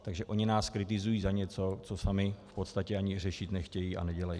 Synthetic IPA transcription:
t̪aɡʒɛʔo̞ɲɪnaːskɾɪt̪ɪzujiːzaɲɛt͡so̞t͡so̞samɪfpo̞t̪st̪acɛaɲɪr̝ɛʃɪt̪nɛxcɛjiʔa̰nɛɟɛlajiː

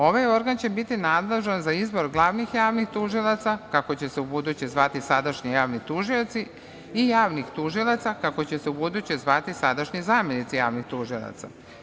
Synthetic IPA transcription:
o̞ʋajo̞ɾɡant͡ɕe̞bit̪inad̪le̞ʒanzaizbo̞ɾɡlˠaʋnixjaːʋnixt̪uʒilˠat̪sakako̞t͡ɕe̞se̞ubud̪ut͡ɕezʋat̪isad̪aʃɲijaːʋnit̪uʒio̞t̪si | ijaːʋnixt̪uʒilˠat̪sakako̞t͡ɕe̞seubud̪ut͡ɕezʋat̪isad̪aʃɲizaːmjenit̪sijaːʋnixt̪uʒilˠa̰t̪sa̰

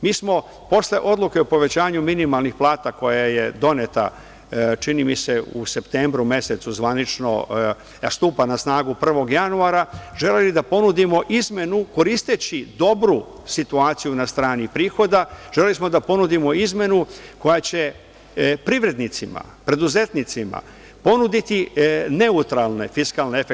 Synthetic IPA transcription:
miːsmo̞ | po̞sle̞ʔo̞d̪lˠuke̞opo̞ʋe̞t͡ɕaːɲuminimalˠnixplˠaːt̪ako̞jaje̞d̪o̞net̪a̰ | t͡ʃinimise̞ṵse̞pt̪eːmbɾume̞se̞t̪suzʋanit͡ʃno̞̰ | st̪uːpanasnaːɡupr̩ʋo̞ɡjanuaɾaʒe̞le̞lid̪apo̞nud̪imo̞ʔizme̞nuko̞ɾist̪et͡ɕid̪o̞bɾu | sit̪uaːt̪sijunast̪ɾaːnipɾiːxo̞d̪aʒ̥elelismo̞d̪apo̞nud̪imo̞izme̞nuko̞jat͡ɕe̞ | pɾiʋɾe̞d̪nit̪sima̰ | pɾe̞d̪uze̞t̪nit̪sima̰ | po̞nud̪it̪ine̞ut̪ɾalˠne̞fiskalne̞efe

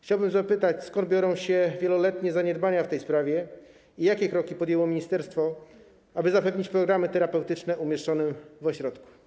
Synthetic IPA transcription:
xt͡ɕawbɘmzapɘt̪at͡ɕskɔnd̪̚bʲjɔɾɔ̃w̃ɕɛvʲjɛlɔlɛt̪ɲɛzaɲɛd̪baɲaft̪ɛjspɾavʲjɛ | ijakʲɛkɾɔkʲipɔd̪jɛwɔmʲiɲist̪ɛɾst̪fɔ | abɘzapɛvɲit͡ɕpɾɔɡɾamɘt̪ɛɾapɛwt̪ɘt͡ʂnɛʔumʲjɛʂt͡ʂɔnɛvɔɕɾɔt̪ku̥

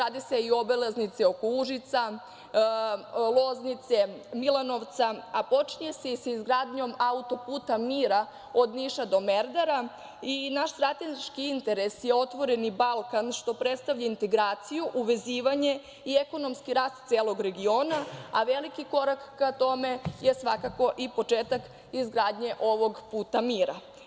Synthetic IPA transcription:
ɾaːd̪ise̞iobeleznit̪seo̞kouʒit̪sa | lˠoznit̪se̞milano̞ʋt̪saapo̞t͡ʃiɲese̞isaizɡɾaːd̪ɲo̞maut̪o̞puːt̪amiːɾa | od̪niʃad̪o̞meɾd̪aɾa | inaʃst̪ɾat̪ezit͡ʃkiint̪e̞ɾe̞sjeo̞t̪ʋo̞ɾe̞nibalˠkanʃt̪o̞pɾet̪st̪aʋʎaint̪e̞ɡɾaːt̪sijuʔuʋe̞ziːʋaɲe̞ | ieko̞no̞mskiɾaːst̪t̪eːlˠo̞ɡɾe̞ɡio̞ːnaaʋelikiko̞ɾakːat̪o̞me̞je̞sʋa̰kako̞ʔipo̞t͡ʃeːt̪ak | izɡɾaːd̪ɲe̞ʔo̞ʋo̞ɡpuːt̪amiːɾa

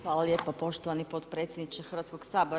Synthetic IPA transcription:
xʋaːlˠaljeːpopo̞ʃt̪oʋanipot̪pɾet̪sʲjed̪nit͡ʃexɾr̩ʋat̪skoɡ̥saːboɾ

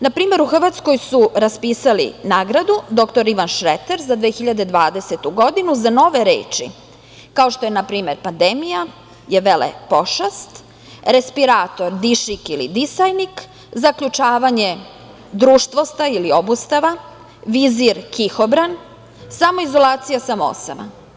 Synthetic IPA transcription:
napɾiːmeɾuxr̩ʋat̪sko̞jsuɾaspiːsalḭnaːɡɾad̪ud̪o̞kt̪o̞ɾiʋanʃɾet̪eɾzad̪ʋeːxiʎad̪e̞d̪ʋaːd̪eset̪uɡo̞d̪inuzano̞ʋe̞ɾḛːt͡ʃḭ | kao̞ʃt̪o̞jenapɾiːmeɾpand̪emija | jeʋelḛpoʃast̪ | ɾe̞spiɾaːt̪o̞ɾd̪iʃikilḭd̪isajnik | zakʎut͡ʂaːʋaɲe̞ | d̪ɾuːʃt̪ʋo̞st̪ailio̞bust̪aʋa | ʋiziɾkixobɾan | samo̞izo̞lˠaːt̪sijasamoo̰sa̰ma̰

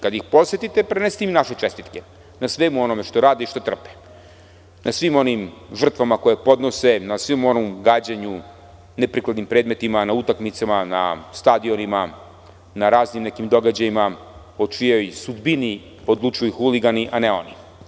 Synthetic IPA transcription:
kad̪jixpo̞sjet̪it̪epɾenest̪imnaʃet͡ʃest̪it̪ke | nasʋemuo̞nome̞ʃt̪o̞ɾaːd̪iiʃt̪ot̪r̩pe̥ | nʔasʋimo̞nimʒr̩t̪ʋamako̞jepo̞d̪no̞se̞nasʋimo̞nomɡaːd͡ʑaɲu | nepɾiklad̪nimpɾe̞ːd̪me̞t̪imanaut̪akmit̪samana̰st̪ad̪io̞nima | naɾaːznimnekimd̪o̞ɡad͡ʑajima | ot͡ʃijo̞jsud̪bini | od̪lˠut͡ʃujuxuliɡaniʔaneo̞ni

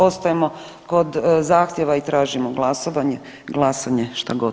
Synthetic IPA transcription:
o̞st̪ajemo | ko̞d̪zaːxt̪jeʋait̪ɾaːʒimoɡlˠasoʋaɲe | ɡlˠasaɲeʃt̪aɡo

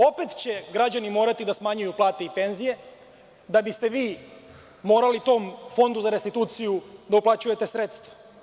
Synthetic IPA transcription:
o̞pe̞t̪t͡ɕe̞ɡɾad͡ʑanimo̞ːɾat̪id̪asmaɲujuplˠaːt̪e̞ipe̞nzije̞ | d̪abist̪eʋiː | mo̞ːɾalit̪o̞ːmfo̞nd̪uzaɾe̞st̪it̪uːt̪sijud̪auplat͡ɕuje̞t̪e̞sɾe̞t̪st̪ʋḁ

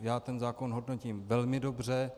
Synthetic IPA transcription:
jaːt̪ɛnzaːko̞nɦodnociːmvɛlmɪdo̞br̝ɛ

